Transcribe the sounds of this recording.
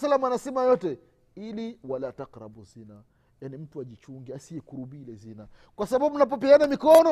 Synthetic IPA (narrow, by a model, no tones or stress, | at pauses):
salːamuanasɛmajɔtɛ | iliwalataqɾa̰buzina | janim̩tuaʄit͡ʃuŋɡiasiɛkuɾubilɛzina | kwasaɓabum̩nap̬ɔp̬ɛanamikɔnɔ